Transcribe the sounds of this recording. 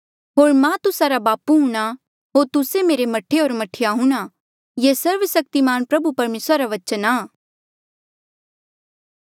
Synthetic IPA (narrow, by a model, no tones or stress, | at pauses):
ɦoːɾmɛ̃t̪ʊsaɾabaːpuɦũːɽ̃a | ɦoːɾt̪ʊsemeːɾemɐʈʰeɦoːɾmɐʈʰɪjaɦũɽ̃a | jeːsɐɾʋsɐk̚t̪imaːnpɾɐbupɐɾmeːsɾaɾaʋɐt͡ʃənaː